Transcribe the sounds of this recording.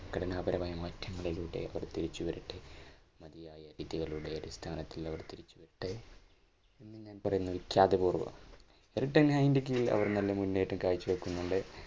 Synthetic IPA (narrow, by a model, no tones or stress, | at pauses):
kɐɽɐnaːbɐɾɐmaːjɐmɐːtʰːɐŋːɐɭiluːɽe̞̰ɐ̰ʋɐrt̪iɾit͡ɕːuʋɐɾiʈːɨmɐðijaːjɐɾiːðiɣɐɭuːɽeɐɾist̪ʰaːnɐt̪ːilɐʋɐrt̪iɾit͡ɕːuʋɐɾiʈːɨ | inːɨɲaːnpɐrɐjunːɐʋikʲːaːðepuːrʋɐ̰ | eriʈːɐnhajndikːijilɐ̰ʋɐrnɐlːɐmunːejʈːumkaːɻit͡ɕːuʋekːunːuɳɖɨ